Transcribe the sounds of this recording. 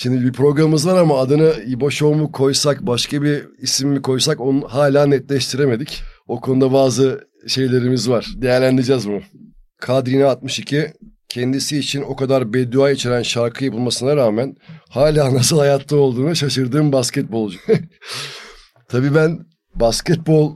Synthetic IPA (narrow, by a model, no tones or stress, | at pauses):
ʃimd̪ibipʰɾo̞ɡɾamɯmɯzvaɾamaːd̪ɯnɯibo̞ʃo̞mukʰo̞jsakbaʃkʰabiːsimːikʰo̞jsako̞nɦaːlʲaːnɛt̪lʲɛʃt̪ʰiɾe̞me̞d̪ico̞kʰo̞nud̪abaːzɯ | ʃe̞jlʲe̞ɾimizvaɾ̥d̪e̞jæɾlʲænd̪iɾd͡ʒɛzmʊ | kʰad̪ɾinaːt̪̚mɯʃicʰi | cʰɛnd̪isiːt͡ʃʰino̞kad̪aɾbɛd̪uajit͡ʃʰe̞ɾænʃaɾkʰɯjapʰɯlˠmasɯnaɾaːmænhaːlʲaːnas̬ɯlˠhajat̪ʰlˠɯo̞lˠd̪uːnaʃaʃɯɾd̪ɯːmbascɛt̪̚bo̞lˠd͡ʒ | t̪ʰabiːbæn | bascɛt̪̚bo̞lˠ